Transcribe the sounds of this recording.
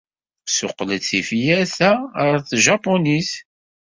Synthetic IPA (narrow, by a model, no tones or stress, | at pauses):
sʊqlət͡sːifjæθæɾθʒɑponis